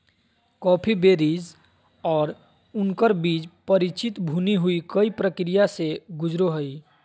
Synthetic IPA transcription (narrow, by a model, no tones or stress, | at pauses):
kɔːpʰibeːɾiːd͡ʒ | ɔːɾ | ʊnkəɾbiːd͡ʒpəɾɪt͡ʃɪt̪bʱuːniɦʊikəipɾəkɾijaseɡʊd͡ʒɾoɦəi